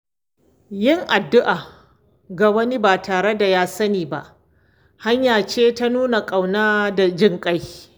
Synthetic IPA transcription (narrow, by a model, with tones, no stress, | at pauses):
jɪ˦˨ŋʔa˨dːʊ˦ʔaː˨ | ɡa˨wɐ˦ni˦baː˨taː˨ɽe˦da˨jaː˦sɐ˦niː˨ba̰˦ʔ | ha˦ɲjaː˨t͡ʃeː˦ta˦nuː˦na˨kʼa˨wnaː˦da˨d͡ʒɪ˦ŋkʼa˦j